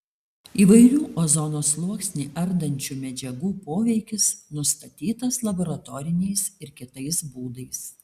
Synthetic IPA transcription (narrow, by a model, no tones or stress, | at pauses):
iːʋɐɪɾʲuːʔozɔnoːslˠuɔksʲnʲiːʔɐɾd̪ɐnʲt͡ʃʲuːmʲɛd͡ʒʲɛɡuːpoːʋʲɛɪkʲɪsnʊst̪ɐt̪ʲiːt̪ɐslˠɐboːɾɐt̪ɔːɾʲɪnʲɛɪsɪɾkʲɪt̪ɐɪsbuːd̪ɐɪs